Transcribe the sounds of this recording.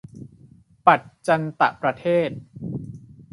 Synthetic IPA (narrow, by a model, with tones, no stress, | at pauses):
pa˨˩t̪̚t͡ɕa˧nt̪a̰˨˩pɾa˧t̪ʰeː˥˩t̪̚